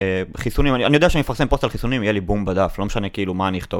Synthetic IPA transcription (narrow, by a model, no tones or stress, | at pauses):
eχisunimanianijod̪eaʃeanimefaʁsempost̪alχisunimjelibumbad̪aflo̞meʃanekiiːlumaːniiχt̪ov